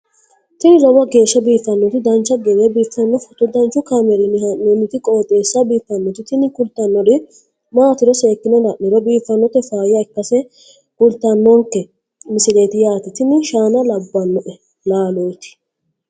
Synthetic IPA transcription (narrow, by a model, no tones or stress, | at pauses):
t̪ɪnɪɾɔwɐɡe̞ːʃːɐbiːfːɐnːɔt̪ɪd̪ɐnt͡ʃːɐɡɛɾebiːfːɐnːɔfɔt̪ːɔd̪ɐnt͡ʃːʊkamɛɾɪnɪhɐnːonːɪt̪ɪkʼo̞ːt̪ʼeːsːɐbiːfːɐnːɔt̪ɪt̪ɪnɪkʊlt̪ɐnːɔdɪ | maːt̪ɪɾɔseːkːɪnɔlɐʔnɪɾɔbiːfːɐnːɔt̪ɛfaːjɪɐɪkːɐsɛ | kʊlt̪ɐnːɔŋkːɛ | mɪsɪleːt̪ɪjaːt̪ɪt̪ɪnːɪʃaːnɐlɐbːɐnːɔʔɛ | laːloːt̪ɪ̥